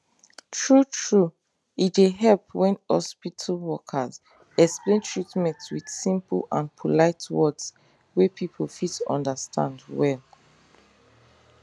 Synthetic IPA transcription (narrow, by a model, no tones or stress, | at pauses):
tɹutɹu | iteɦɛlpwɛ̃nhɔspitʰəlwɔkʰəz | ɛksplẽntʰɹitmɛ̃ntwid̥sĩmpə̰lãnpʰɔlaɪtʰwɔds | wepʰipʰɔlfitɔ̰̃ndəstʰã̰ndwɛl